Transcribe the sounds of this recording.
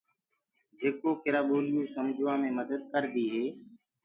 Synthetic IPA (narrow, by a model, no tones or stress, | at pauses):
d͡ʒeːkoːkɪɾaːɓoːlɪjũːsəmd͡ʒʱʋãːmẽːməd̪əd̪̚kəɾd̪iːɦeː